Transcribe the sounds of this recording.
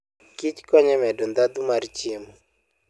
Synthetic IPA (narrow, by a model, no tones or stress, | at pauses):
kit͡ʃkɔɲɛmɛdɔnd̪ad̪umaɾt͡ʃɪmɔ